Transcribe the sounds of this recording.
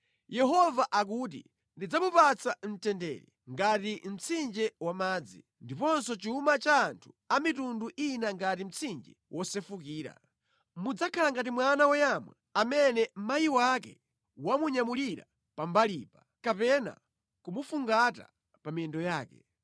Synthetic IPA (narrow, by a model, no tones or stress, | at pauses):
jɛɦɔvaʔak̬ut̬ḭ | ndid͡zamupat͡sʰan̩tɛndɛ̰ːɾi | ŋɡatim̩t͡sʰind͡ʒɛwamaːd͡zḭ | ndipɔnsɔt͡ʃumat͡ʃaːntʰu̥ | amitunduʔinaŋɡatim̩t͡sʰind͡ʒɛwʔɔsɛfukiːɾa̰ | mud͡zakʰalaŋɡat̬imwanawɔjamwa | amɛnɛm̩majiwakɛ | wamuɲamuliɾa̰ | pambaliːpa | kapɛna̰ | kumufuŋɡata̰ | pamiɛndɔjaːkɛ